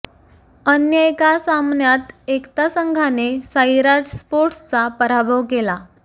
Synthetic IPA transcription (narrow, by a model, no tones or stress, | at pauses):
ənjəekasamnjat̪ekt̪asəŋɡʱanesaiɾaɾd͡ʑspoɾʈst͡sapəɾabʱəʋkela